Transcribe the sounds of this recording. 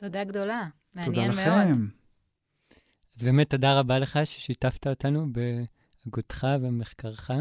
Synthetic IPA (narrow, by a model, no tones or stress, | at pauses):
t̪odaɡd̪o̞la | mtodalleeem | azbemet̪ːo̞daʁabaleχaʃeʃitaftaotanube | aɡutχavemeχkaʁχa